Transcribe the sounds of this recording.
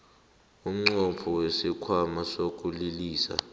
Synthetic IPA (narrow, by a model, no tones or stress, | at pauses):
um̩ŋ͡ǀɔpʰɔwesikʰwamasok̬ʼuliliːsa̰